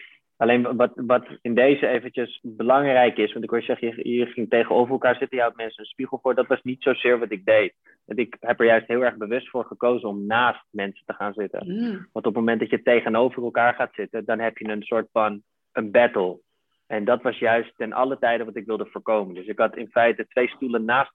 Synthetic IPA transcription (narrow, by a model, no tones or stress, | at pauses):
ɑlejnʋɑtʋɑtɪndejzəejvənt͡ʃəsbəlɑŋrɛjkɪsʋɑntɪkʋosɛχəjəjəχɪŋtejχənowvərɛlˠkaːɹzɪtənjəɦawt̚mɛnsəənspiχəl̩ˠfʊːɹdɑtʋɑsnitsowzɪːɹʋɑtɪɡ̚dejt̚ | ʋɑ̰ntɪkɦɛpɛɹjœɥstɦɪːlˠɛɹχbəʋɵstfʊːɹχəkowzənɔmnaːst̚mɛnsə̥təχaːnzɪtə̰nʋɑntɔpmowmɛntdɑtjətejχənowvərɛlˠkaːɹχaːtsɪtədɑnɦɛpjənənsʊːɹtfɑn | ənbɛtəlˠ | ɛndɑtʋɑsjœɥstɛnʔɑ̰lətɛjdəʋɑtɪkʋɪlˠdəv̥ʊːɹkowməndɵsɪkɦɑtɪnfɛjtətʋejstulənːaːst